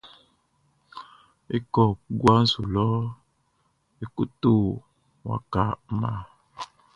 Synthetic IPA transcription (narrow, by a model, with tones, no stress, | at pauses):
e˦kɔ˨˦ɡwa˦n̩˦su˨lɔ˦ | e˦ku˦t̪o˦ | wa̰˦ka˨˦ma˦˨